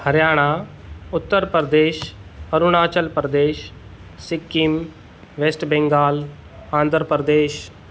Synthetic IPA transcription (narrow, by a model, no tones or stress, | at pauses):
həɾjaːɽ̃aːʊt̪ːəɾpɾəd̪eːʃɐɾʊñaːt͡ʃəlpɾəd̪eːʃ | sɪkːim | ʋeːsʈbɛ̃ŋɡaːl | ãːnd̪ʱɾpɾəd̪eːʃ